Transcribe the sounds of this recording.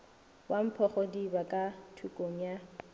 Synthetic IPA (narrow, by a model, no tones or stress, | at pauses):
wam̩pʰɔχɔdibakʼatʰukʼoŋ̩ja